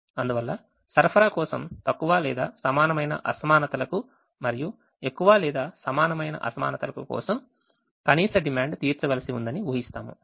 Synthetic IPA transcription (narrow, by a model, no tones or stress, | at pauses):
ɐnd̪uʋɐlːɐ | sɐɾpʰɐɾaːkɔːsɐmt̪ɐkːuʋaːlɛːd̪aːsɐmaːnɐmɐjnɐ̰ʔɐ̰sɐmaːnɐt̪ɐlɐku | mɐɾiju | ekːuʋaːlɛːd̪aːsɐmaːnɐmɐjnɐ̰ʔɐ̰sɐma̰ːnɐt̪ɐlɐkukɔ̰ːsɐm | kɐniːsɐɖimaːɳɖt̪iːɾt͡ʃɐɡɐlɐsiund̪ɐniʋuːɦist̪aːmṵ